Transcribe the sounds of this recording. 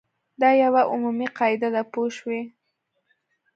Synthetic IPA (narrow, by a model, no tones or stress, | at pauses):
d̪ɑjawaʔʊmumiqɑɪd̪ad̪apoʃwi